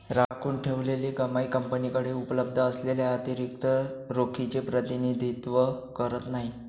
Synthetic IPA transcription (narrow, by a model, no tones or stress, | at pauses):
ɾakʰuːɳʈʰeʋleliːkəmajkəmpənikəɽeupləb̚d̪ʱəːsleljaat̪iɾik̚t̪əɾokʰit͡ɕepɾət̪inid̪ʱit̪ʋəkəɾət̪naɦi